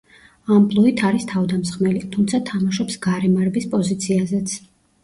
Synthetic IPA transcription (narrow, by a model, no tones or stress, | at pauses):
ampʼlˠɔit̪ʰaɾist̪ʰavd̪amsχmɛlit̪ʰumt̪sʰat̪ʰamaʃɔpsɡaɾɛmaɾɛbispʼɔzit̪sʰiazɛt̪sʰ